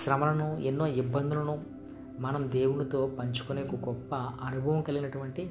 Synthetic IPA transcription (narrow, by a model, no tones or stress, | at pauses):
ʃɾɐmɐlɐnuenːo̞ːibːɐnd̪ʱulɐnu | mɐnɐmd̪eːwuɳɐt̪o̞ːpɐɲt͡ʃu̥kuneːkuɡɔpːɐɐnubʱɐʋɐmkɐliɡinɐʈuʋɐɳʈi